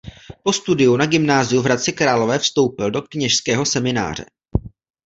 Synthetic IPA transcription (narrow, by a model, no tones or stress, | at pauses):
po̞st̪udɪjunaɡɪmnaːzɪjuvɾat̪t͡sɪkɾaːlo̞vɛːfst̪o̞wpɪldo̞kɲɛʃskɛːɦo̞sɛmɪna̰ːr̝̥ɛ̰